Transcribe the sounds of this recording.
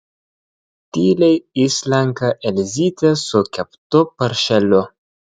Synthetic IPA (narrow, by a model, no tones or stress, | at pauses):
tilejislaŋkaʔelzit̪asokʲaptopaɾʃelo